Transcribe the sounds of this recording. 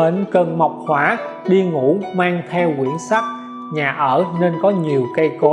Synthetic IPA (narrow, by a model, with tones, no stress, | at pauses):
e˧˦nkə˧˩nma˨˩wk͡p̚hwaː˧˨˦ɗi˧ŋṵ˧˥maː˧ŋt̪ʰɛ˧wkḭ˧˩ənsa˦˥k̚ | ɲaː˨˩ʔəː˧˩ne˧nkɔ˨˦ɲi˨˩əwkə˧jko˨˦